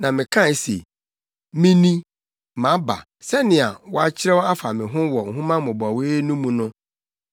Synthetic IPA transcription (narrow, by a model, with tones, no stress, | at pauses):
nã˨mɪ̃˨kʰã˦˨˦sḛ˨ | mĩ˦nĩ˦ | mã˨˦ba̰˨ | sɛ˦nɪ̃˨a˨wɔ˦a˦t͡ɕʰɪ˦ɾɛ˦wɔ˦a˦fa˨mɪ̃˨ɦʊ̃˦wɔ˨ŋ̩˨ɦũ˦mã˦mʊ̃˨ba˨weː˦nũ˦mũ˨nʊ̃˦